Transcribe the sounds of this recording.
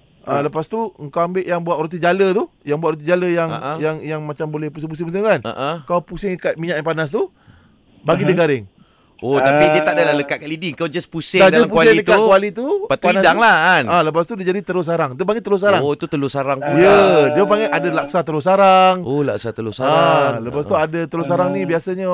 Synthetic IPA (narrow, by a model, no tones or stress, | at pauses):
ʔaləpast̪uəŋkawambɪʔjaŋbuat̪ɾut̪̬id͡ʒalət̪ujaŋbuaʔ̪̚ɾut̪̬id͡ʒaləjaŋjaŋjaŋmat͡ʃambolɛhpusɪŋp̬us̬ɪŋp̬usɪŋkanə̰ʔkaapusɪŋəkat̪̚miɲaʔjpanas̬t̪u | baɡidəɡaɾɪŋ | ot̪apidiət̪adalahləkat̪̚kaʔlidiəŋkawd͡ʒaspusɪadaəampuaseilək̪at̪kualit̪upat̪panasdaŋlaaləp̬ast̪udiəd͡ʒadit̪əlʊs̬aɾaŋt̪up̬aŋet̪əlos̬aɾaot̪ut̪əlosaɾaŋt̪ujədiəp̬aŋɡʔadalaksat̪əlos̬aɾaŋola̰ksat̪əlosaaɾaləpast̪uadət̪əlos̬aɾaŋnibiasaɲə